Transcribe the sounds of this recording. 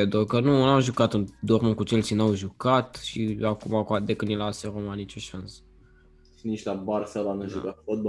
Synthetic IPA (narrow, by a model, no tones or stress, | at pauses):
ed̪okənunamʒukat̪ɨnd̪ormonkut͡ʃelt͡ʃinawʒukat̪ʃiakumakad̪ekɨnilaseɾomanit͡ʃuʃansə̥ | ʃinit͡ʃlabarsalanuʒukafot̪̚bo